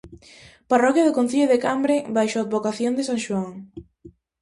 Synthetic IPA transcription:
parɔkjaðʊkon̟θiʎoðekambɾebajʃoad̪βokaθjond̪ɪsaŋʃwaŋ

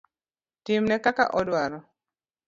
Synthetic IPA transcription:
tɪmnɛkaka̰ʔɔdwaɾɔ

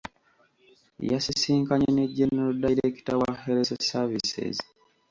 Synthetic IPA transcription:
jasisiːŋkaɲeneɟːenːeɾodajiɾeki̥tawaheɾesesavisḛz

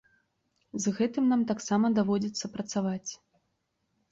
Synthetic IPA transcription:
zɣɛt̪ɨmnamt̪aksamɐd̪avɔd͡zʲit̪sːɐpɾɐt̪savat͡sʲ

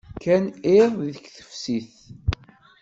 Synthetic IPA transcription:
kæneðˤðəkθə̥fsiθ

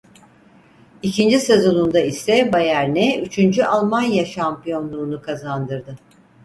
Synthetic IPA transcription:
icʰind͡ʒise̞zo̞nund̪aisɛbajæɾnɛyt͡ʃʰynd͡ʒyʔalˠmanjaʃampijo̞nlˠuːnukʰazand̪ɯɾd̪ɯ

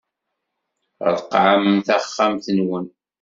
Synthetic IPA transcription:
ɾðqːʕamənθæχːamθənwən

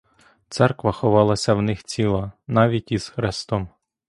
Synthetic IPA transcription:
t̪sɛrkʋɐxɔʋɑlˠɐsʲɐwnɪxt͡sʲilˠɐnɑʋʲitʲiz̥xɾɪst̪ɔm

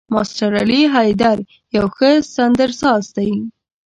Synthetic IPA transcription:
mɑsʈaɾɑliɦɑjd̪aɾ | jawxəsand̪əɾsɑzd̪aj

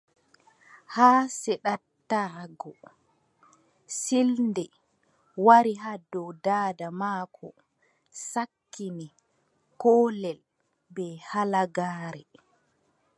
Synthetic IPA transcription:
haːsɛɗatːaːɡɔ | silndɛ | waɾiɦaːdɔwdaːdamaːkʰɔ | sakːini | kɔːlɛl | bɛhalaɡaːɾɛ

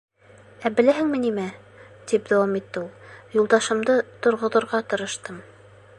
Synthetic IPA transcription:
æbɘ̆læɦɘ̆ŋmɘ̆nimæ | t̪ipd̪æwɑmit̪ːɘulˠjulˠd̪ɑʃɤ̆md̪ɤt̪ŏɾʁŏðŏɾʁɑt̪ɤ̆ɾɤ̆ʃt̪ɤm

